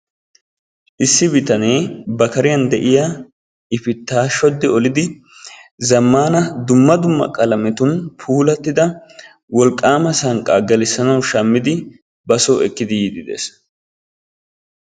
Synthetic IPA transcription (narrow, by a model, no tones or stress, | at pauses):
ʔɪsːɪbɪt̪ɐne̞ːbɐkɐɾɪjɐnd̪ɛʔɪja | ɪfɪt̪ːaːʃɔd̪ːɪɔlɪd̪ɪ | zɐmːaːnɐd̪ʊmːɐd̪ʊmːɐ̰kʼɐlɐmɛt̪ʊnpʰuːlɐt̪ːɪd̪ɐ | wɔlkʼːaːmɐsɐŋkʼaːɡɐlɪsːɐnɐwʃɐmːɪd̪ɪ | bɐsoːɛkːɪd̪ɪjid̪ɪd̪ḛːs